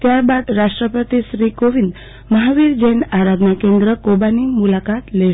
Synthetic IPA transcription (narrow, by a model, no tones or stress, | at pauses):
t̪jaɾbad̪ɾaʂʈɾəpət̪iɕɾikoʋind̪ | məɦaʋiɾd͡ʑenaɾad̪ʱnakend̪ɾəkobanimulakat̪le